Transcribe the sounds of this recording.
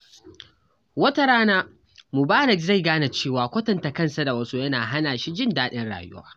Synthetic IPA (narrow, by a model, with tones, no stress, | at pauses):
wɐ˦ta˦ɾaː˦naː˦ | mʊ˨baː˦ɾɪ˨kza˦˨jɡaː˦na˨t͡ʃeː˦˨waː˨kʷɐ˦tɐ˨nta˨kɐ˦nsa˨da˨wɐ˦su˦jɐ˦naː˨ɦa˦naː˨ʃi˦d͡ʒɪ˦ndaː˦ɗɪ˦nɽa̰ː˨jʊ̰˦wa̰ː˦